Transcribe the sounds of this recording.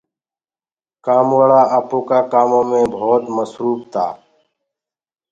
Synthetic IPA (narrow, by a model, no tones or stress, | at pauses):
kaːmwəɭaːʔəpoːkaːkaːmõːmẽːbʱoːt̪məsɾuːp̚t̪ʰa̰ː